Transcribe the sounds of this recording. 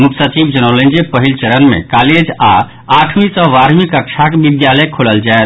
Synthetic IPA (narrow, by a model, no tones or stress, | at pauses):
muksət͡ʃibd͡ʒənɔlẽnd͡ʒepəɦilt͡ʃəɾənmḛ̃kaled͡ʒa̰ | aʈʰmĩsə̃ʋaɾmikəkt͡ʃʰakebid̪jaləkʰoləld͡ʒaet̪